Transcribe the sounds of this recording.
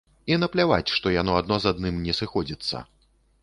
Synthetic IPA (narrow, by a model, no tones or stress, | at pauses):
inɐplʲava̰t͡sʲʂt̪ɔjanɔad̪̚nɔzad̪nɨmnʲɛsɨxɔd͡zʲit̪sːɐ̰